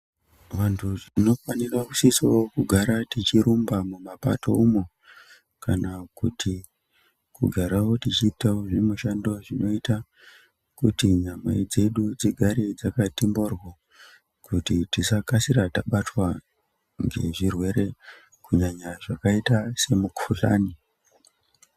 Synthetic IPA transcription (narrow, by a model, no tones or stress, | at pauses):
ʋantʰuʐino̞fanirakusisawokuɡʱaɾatit͡ʃiɾumbamumapa̰to̞̰umo | kanakutʰi | kṵɡʱaɾawo̞tit͡ʃiːtaoʐimuʃando̞ʐino̞ita | kutiɲamwe̞d͡ze̞ɗud͡ziɡʱaɾid͡zakatimborwo | kutitisakasiɾataɓatwa | ŋɡe̞̰ʐirwe̞ɾe̞ | kuɲaɲaʐakaitase̞mukʰula̰ːni